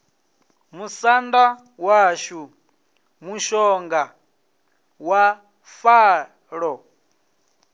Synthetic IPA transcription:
musanda | waʃu | muʃɔŋɡa | wa | faː | ɺɔ

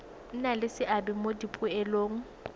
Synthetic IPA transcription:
n̩nalɪsɪʔabɪmodipʼʊɛloːŋ̩

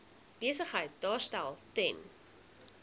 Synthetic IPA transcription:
b̥iəsəχɦəjt̚dɑːstælˠtɛn

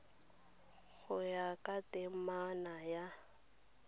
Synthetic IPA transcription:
ɣʊjakʼatʼɪmanaja

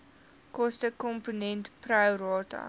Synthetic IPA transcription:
kɔstəkɔmponɛntprawrɑːtɐ̰

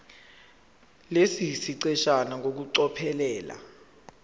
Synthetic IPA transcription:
lesisiǀɛʃanak̬ok̬uǀɔpʰɛlɛːla̰

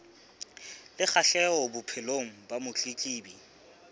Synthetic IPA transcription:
lɪk͡xʰaɬɛɔbʊpʰɛloŋ̩bamʊt͡ɬʼikʼiːbi

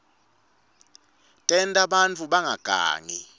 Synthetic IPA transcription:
tʼɛntʼaɓant͡fʰuɓaŋʱaɡ̥ʱa̰ːŋi

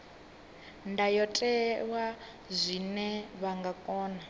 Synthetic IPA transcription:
ndajɔtʼɛwa | zʷinɛβaŋɡakʼɔːna

